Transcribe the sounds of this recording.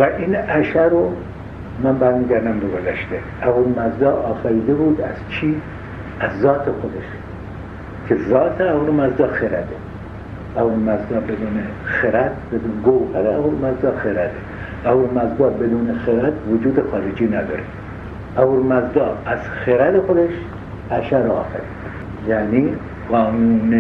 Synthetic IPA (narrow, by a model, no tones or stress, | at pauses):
væʔinæʃæɾo | mænbæɾmiːɡæɾd̪æmbeɡozæʃt̪e | æhuɾmæzd̪ɒːʔːfæɾiːd̪ebuːd̪æz̥t͡ʃʰiː | æzːɒːt̪ʰexod̪eʃ | kʲʰezɒːt̪ʰeæhuɾmæzd̪ɒːxeɾæ̰d̪e | æuɾmæzd̪ɒːbed̪uːnexeɾæt̪bed̪unɡowhæɾeæhuɾmæzd̪ɒːxeɾæd̪e | ʔæhuɾmæzd̪ɒːbed̪uːnexeɾæt̪ʰvod͡ʒuːd̪exɑːɾed͡ʒiːnæd̪ɒ̰ːɾe | ʔæhuɾmæzd̪ɒːæz | xeɾæd̪exod̪eʃ | ʔæʃæɾɒ̰ːfæɾiːd̪ | jæːniː | ɣɒːnuːne